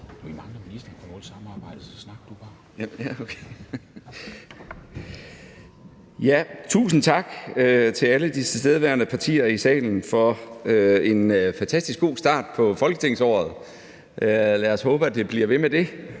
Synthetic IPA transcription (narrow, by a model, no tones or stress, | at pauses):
d̥uimɑ̈ŋədəminisd̥ɐpʰɒʋɔːlsɑ̈mɑ̈ːb̥ɑ̈ɪ̰d̥əsɒsnɑ̈ɡ̥ɐd̥ub̥ɑ̈ː | jæokʰe | jæt͡sʰṵːsn̩t͡sʰɑ̈ɡ̥øt͡sʰe̝læləd̥isʰesd̥eð̞ˠʋæɐnəpʰɑ̈t͡sʰḭːɐisɛ̰ːln̩fɒ̽øe̝nøfænt͡sʰæsd̥isɡ̥o̝̰ːsd̥ɑ̰̈ːd̥̚pʰɒ̽fɒ̽lɡ̥ət͡sʰe̝ŋ̰sɒ̰ːð̞̩ˠ | ʔølæɐɒshɔ̽ːb̥əæd̥e̝b̥liɐʋe̝med̥e̝